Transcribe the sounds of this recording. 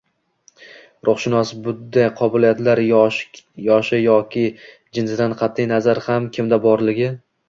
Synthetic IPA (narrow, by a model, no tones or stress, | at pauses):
ɾʔʊχʃɪnɒsbʊd̪ajqʰɒbɪlijat̪laɾ | jɒʃɪjɒkʲʰɪ | d͡ʒɪnsɪd̪anqʰɑt̪ʰːɪjnazaɾhamkʲʰɪmd̪abɒɾlɪɡʲɪ